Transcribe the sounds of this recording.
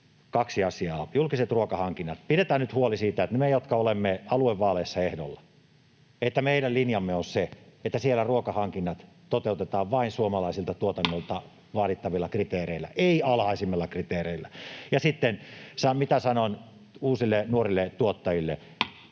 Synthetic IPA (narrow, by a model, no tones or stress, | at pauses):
kɑksiɑsiɑːjulkiset̪ruokɑhɑŋkinːɑt̪̚piɾet̪æːnnyt̪huolisiːt̪æet̪nmejot̪kɑolemːeɑlueʋʋɑːleːsːɑehdo̰lːɑ | et̪ːæmeiɾællinjɑmːeonseet̪ːæsielːæruokɑhɑŋkinːɑt̪ | t̪ot̪eut̪et̪ɑːʋʋɑinsuomɑlɑisilt̪ɑt̪uot̪ɑnːolt̪ɑ | ʋɑːlit̪ːɑʋilːɑkrit̪eːreilːˑæ̰ʔeiɑlhɑisimːelːɑkrit̪eːreilːˑæjɑsit̪ːensɑmit̪æsɑnon | uːsilːenuorilːet̪uot̪ːɑjilːe